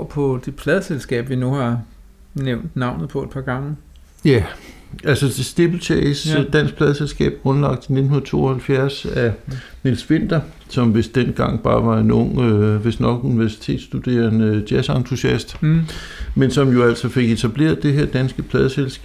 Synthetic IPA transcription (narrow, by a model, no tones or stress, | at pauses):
pʰɒ̽d̥e̝pʰlɛðˠəselsɡ̥ɛ̰ːb̥ʋinuhɑ̈ | neʊ̰nd̥nɑ̈ʊ̰nð̩ˠpʰɒ̽ed̥̚pʰɑ̈ːɡ̥ɑ̈ŋə | jæælsɒdesd̥eb̥l̩t͡sʰesd̥æn̰ɡ̥̚pʰlɛð̞ˠselsɡ̥ɛ̰ːb̥̚ɡ̥ʁɔ̽nlɑ̈ɡ̥̚d̥ine̝d̥n̩hunɐt͡sʰo̝ːɒhælfjæɐsænilsʋe̝n̰d̥ɐ | sɒ̽mʋe̝sd̥enɡ̥ɑ̈ŋ̰b̥ɑ̈ːʋɑ̈e̝nɔ̽ŋ̰øʋe̝snɒ̽ɡ̥uniʋæɐsi̥t͡sʰe̝̰ːd̥sd̥ud̥e̝̰ːɐnəd̥jæsɑ̈nt͡sʰusiæsd̥ | mensɒ̽mjo̝æl̰sɒ̽fe̝ɡ̥e̝t͡sʰæb̥le̝̰ːɐðˠd̥e̝ɦæɐ̰d̥ænsɡ̥əpʰlɛðˠəselsɡ